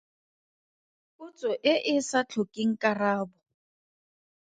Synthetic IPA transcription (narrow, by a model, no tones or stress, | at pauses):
kʊt͡sʼɔʔɪʔɪsat͡ɬʰɔkʼɪŋ̩kʼaraːbɔ